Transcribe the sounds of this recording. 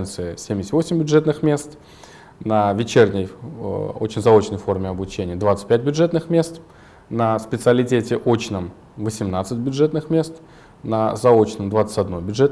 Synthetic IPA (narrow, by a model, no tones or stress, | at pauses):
nt̪sɨɪsʲemʲdʲɪsʲt̪ʲvosʲɪmʲbʲʊʐɛt̪nɨxmʲe̞st̪ | nəvʲɪt͡ɕernʲəj | o̰t͡ɕnzɐo̞t͡ɕnəjfo̞rmʲɪɐbʊt͡ɕenʲɪjəd̪vat̪sə̥t̚ʲpʲæt̚ʲbʲʊʐɛt̪nɨxmʲe̞st̪ | nəspʲɪt̪sɨəlʲɪtʲetʲɪʔo̞t͡ɕnəm | vəsʲɪmnat̪sɨt̚ʲbʲʊdʐɛt̪nɨxmʲe̞st̪ | nəzɐo̞t͡ɕnəmd̪vat̪sə̥tʲɐd̪no̞jbʲʊʐɛt̪